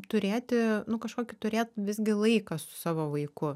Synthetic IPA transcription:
t̪ʊɾʲeːt̪ʲɪnʊkɐʃkoːkʲɪt̪ʊɾʲeːt̪ʋʲɪzʲɡʲɪlˠɐɪkɐsʊ̥sɑːʋoːʋɐɪkʊ

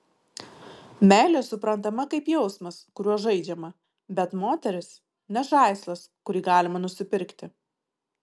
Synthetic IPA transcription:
mʲæːlʲeːsʊpɾɐnˑt̪ɐmɐkɐɪpjɛʊsmɐskʊɾʲuɔʒɐɪd͡ʒʲɛmɐ | bʲɛt̪moːt̪ʲɛɾʲɪs | nʲɛʃɑˑɪslˠɐskʊɾʲiːɡɑːlʲɪmɐnʊsʲɪpʲɪɾʲkt̪ʲɪ

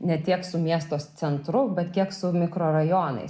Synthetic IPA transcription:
nʲɛt̪ʲiɛksʊmʲiɛst̪oːst͡s̪ʲɛnt̪ɾʊbʲɛt̪kʲiɛksʊmʲɪkɾoːɾɐjoːnɐ̰ɪs

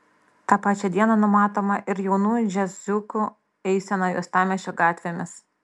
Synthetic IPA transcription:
t̪ɑːpɑːt͡ʃʲɛd̪ʲiɛnɐnʊmɑːt̪oːmɐʔɪɾjɛʊnuːjd͡ʒʲɛzzʲʊkʊ | ɛɪsʲɛnɐjṵːst̪ɑːmʲɛʃʲoːɡɑːt̪ʲʋʲemʲɪs

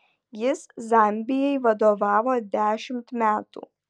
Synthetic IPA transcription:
jɪszɐˑmʲbʲɪjɛɪʋɐd̪oːʋɑːʋoːd̪ʲæːʃʲɪmt̪mʲæːt̪ṵː

